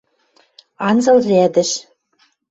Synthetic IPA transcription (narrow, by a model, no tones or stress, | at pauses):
ɑnzɤ̆lræd̪ɘ̆ʃ